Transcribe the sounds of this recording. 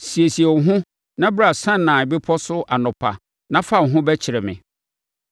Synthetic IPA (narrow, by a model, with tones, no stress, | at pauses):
si˨e˨si˨e˨ɦʊ̃˦ | nã˦bɪ˦ɾa˦˨sã˦nːã˨bɪ˦pʰɔ˦sʊ˦ʔa˨nʊ̃˨pʰa̰˨ | nã˦fa˦˨ŋ˨ɦʊ̃˦bɛ˦t͡ɕʰɪ˨ɾɛ˨mɪ̰̃˨